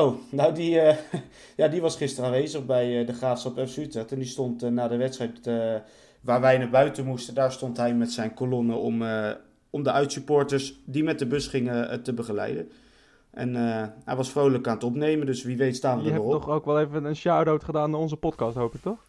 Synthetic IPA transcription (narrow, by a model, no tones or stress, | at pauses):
ownawdiə | jaːdiʋɑsχɪstəraːnʋejzəχbɛjdəχraːfsɑpɛfsytɛtɛndistɔntnaːdəʋɛtstrɛjt | ʋaːɹʋɛjnaːbœɥtənmustəndaːɹstɔntɦɛjmɛtsɛjnkolɔnəɔ̰m | ɔmdəʔœɥtsypʊːɹtəɹsdimɛt̚dəbɵsχɪŋətəbəχəlɛ̰jdən | ʔɛ̰nəɦɛ̰jʋɑsfrowləkaːnətɔpnejməndɵsʋiʋejtstaːədəəɔnɔχowkʋɛlˠejvənənʃawdowtχədaːnaɔnzəpɔtkɑstɦowpɪk̚tɔχ